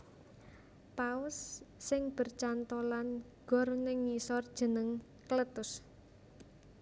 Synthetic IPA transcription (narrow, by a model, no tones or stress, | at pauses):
paʊsːɪŋb̥ə̤rt͡ʃant̪olan | ɡ̥ɔ̤rnɪŋːisɔrd̥ʒ̥ə̤nəŋ | kələt̪ʊs